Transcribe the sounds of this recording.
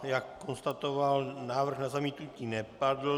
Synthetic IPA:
jakːonst̪at̪ovalnaːvr̩ɣnazamiːt̪nuciːnɛpad̪l̩

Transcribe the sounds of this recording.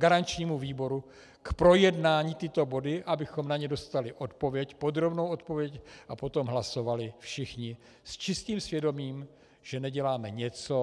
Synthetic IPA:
ɡaɾant͡ʃɲiːmuviːbo̞ɾu | kpɾo̞jɛdnaːɲit̪ɪt̪o̞bo̞dɪʔabɪxo̞mnaɲɛdo̞st̪alɪʔo̞t̪po̞vjɛcpo̞d̪ɾo̞bnowʔo̞t̪po̞vjɛcʔapo̞t̪o̞mɦlaso̞valɪfʃɪxɲɪ | st͡ʃɪst̪iːmsvjɛdo̞miːm | ʒ̥ɛnɛɟɛlaːmɛɲɛt͡so̞

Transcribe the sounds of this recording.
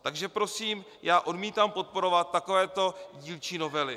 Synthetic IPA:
t̪aɡʒɛpɾo̞siːm | jaːʔo̞dmiːt̪aːmpo̞t̪̚po̞ɾo̞vat̪ːakovɛːt̪o̞ɟiːlt͡ʃiːno̞vɛlɪ

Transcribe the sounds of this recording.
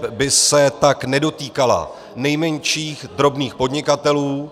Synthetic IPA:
bɪsɛt̪aknɛdo̞t̪iːkala̰ | nɛjmɛɲʃiːxd̪ɾo̞bniːxpo̞dɲɪkat̪ɛluː

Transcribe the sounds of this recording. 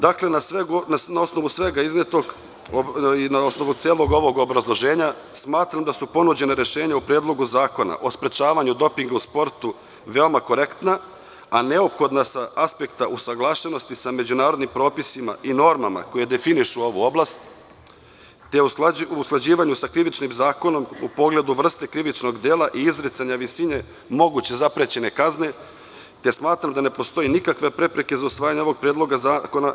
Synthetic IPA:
d̪akle̞nasʋeɡnanao̞sno̞ʋusʋe̞ɡaiznet̪o̞ɡ | oinaosnoʋut̪eːlˠo̞ɡo̞ʋo̞ɡobɾazlˠo̞ʒe̞ːɲa | smaːt̪ɾamd̪asupo̞nud͡ʑe̞naɾeʃe̞ːɲaupɾeːd̪lˠo̞ɡuzaːko̞na̰ʔo̞spɾe̞t͡ʃaːʋaɲud̪o̞piŋɡauspo̞ɾt̪u | ʋe̞o̞mako̞ɾe̞kt̪na | ane̞o̞pxo̞d̪nasaaspe̞kt̪aʔusaɡlˠaːʃe̞no̞st̪isame̞d͡ʑunaːɾo̞d̪nimpɾo̞ːpisima̰ʔino̞ɾmama̰kojed̪e̞finiʃuo̞ʋuo̞blast̪ | t̪eusklad͡ʑiːʋaɲusakɾiʋit͡ʃnimzaːkono̞mṵpo̞ɡle̞d̪uʋr̩st̪ekɾiʋit͡ʃno̞ɡd̪eːlaʔiizɾit̪saɲaʋisiɲe̞ | mo̞ɡut͡ɕe̞zapɾet͡ɕe̞ne̞kazne̞ | t̪e̞smaːt̪ɾamd̪ane̞po̞st̪o̞jinikakʋe̞pɾe̞pɾe̞ke̞zausʋaːjaɲeoʋoɡ̚pɾjeːd̪lˠo̞ɡazaːko̞na

